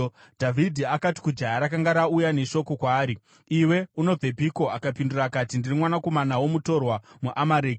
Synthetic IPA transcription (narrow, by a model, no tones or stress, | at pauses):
dʱavʱidʱiakati̥kud͡ʒajaɾakaŋɡaɾaujane̞ʃo̞ko̞kwaːɾi | iwe̞uno̞b͡ve̞bʱiko̞akapindurakatindirimwanako̞manawo̞muto̞rwamuʔamaɾeːɡ